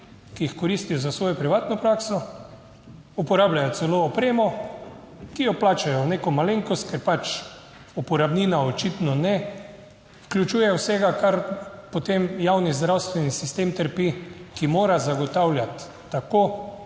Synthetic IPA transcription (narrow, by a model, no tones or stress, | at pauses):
kijixkɔɾist̪ijɔzasʋoːjɔpɾiʋaːt̪nɔpɾaksɔ | upɔɾaːblajɔt̪sɛloːpɾeːmɔ | kijɔplaːt͡ʃajɔneːkɔmaleŋkɔst̪̚kɛɾpat͡ʃ | upɔɾabniːnaɔt͡ʃit̪nɔnɛ | fklʲut͡ʃuːjɛwsɛɡakaɾpɔt̪emjawnizd̪ɾawst̪ʋɛnisist̪eːmt̪əɾpikimoːɾazaɡɔt̪awlʲjat̪ː | akoː